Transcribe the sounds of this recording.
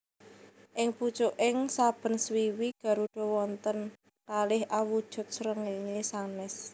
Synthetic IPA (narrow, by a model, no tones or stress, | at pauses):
ʔɪŋput͡ʃʊʔɪŋsab̥ə̤nswiwiɡ̥ä̤ɾuɖ̪̥ɔ̤wɔnt̪ən | kalɪhʔawud̥ʒ̥ʊ̤t̪̚sɾəŋeɲesanɛs